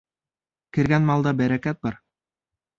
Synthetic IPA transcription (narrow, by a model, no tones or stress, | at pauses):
kɘ̆ɾɡænmɑlˠd̪ɑbæɾækæt̪̚bɑɾ